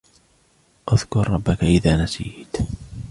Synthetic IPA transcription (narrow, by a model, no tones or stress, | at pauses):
ʔaðkʊɾːˤɑbːakaʔɪðaːnasḭːt̪